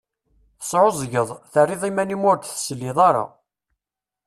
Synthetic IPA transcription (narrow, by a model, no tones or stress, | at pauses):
θə̥sˤʕozˤʝəðˤθərːɪðˤimænimʊɾkθə̥slːɪðˤɑɾˤɑ̰